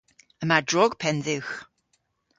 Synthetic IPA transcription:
əmadɹɔɡ̥pʰɛnðɪwx

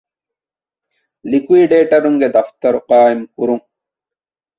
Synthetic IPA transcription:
likwiːɖeːʈɐɾuŋɡed̪ɐft̪ɐɾuqaːemkuɾuŋ

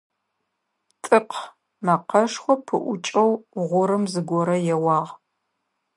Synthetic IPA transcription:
tʼɨqʰ | mɐqɐʂχʷɔpʰɨ̰ʔʷʊ̰t͡ʃʼɐwʁʷʊɾɨmzɨɡʷɔɾɐjɛwɑːʁ

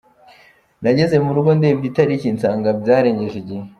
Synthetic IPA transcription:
naɟe̞ze̞muɾuɡo̞ndebɟitaɾiciːnsaːŋɡabɟaːɾe̞ɲɟe̞ʒeɟihe

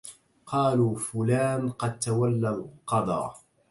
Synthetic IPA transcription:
qɑːluːfʊlaːnqɑd̪̚t̪awalːalqɑd̪ˤɑ̰

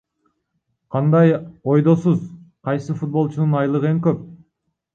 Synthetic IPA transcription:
qʰɑnd̪ɑjo̞jd̪o̞suzqʰɑjsɯfut̪̚bo̞lˠt͡ʃununɑjlˠɯʁɯeŋkøp̚

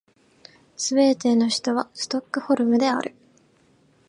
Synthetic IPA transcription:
sɨβe̞ːt̪e̞ːno̞çi̥t̪o̞β̞asɨ̥t̪o̞kːɯ̟ho̞ɾɯ̟mɯ̟d̪e̞a̰ɾʔɯ̟̰

